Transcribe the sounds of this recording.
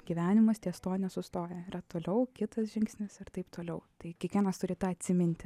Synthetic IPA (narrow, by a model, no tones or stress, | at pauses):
ɡʲɪʋʲæːnʲɪmɐst̪ʲiɛst̪oːnʲɛsʊst̪oːjɛɪrɐt̪oːlʲɛʊkʲɪt̪ɐsʒʲɪŋksʲnʲɪsɪrt̪ɐɪpt̪oːlʲɛʊt̪ɐɪkʲiɛkʋʲiɛnɐst̪ʊɾʲɪt̪ɑːɐt̪ʲsʲɪmʲɪnʲt̪ʲɪ